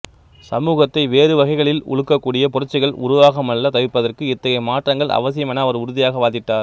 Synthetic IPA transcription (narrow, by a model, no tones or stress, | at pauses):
sɐmuːɣɐt̪ːɐɪʋeːɾɯʋɐɣɐɪɣɐɭɪlʊ̰ɭɯkːɐkːuːɽɪjɐpʊɾɐt͡ʃːɪɣɐɭʊ̰ɾʊʋaːɣɐmɐɭːɐt̪ɐʋɪpːɐðɐrkɯɪt̪ːɐɣɐɪmaːʈrɐŋɡɐɭʔɐ̰ʋɐsɪjɐmɛnɐːʋɐɾʊɾʊðɪjaːɣɐʋaːðɪʈːaːɾ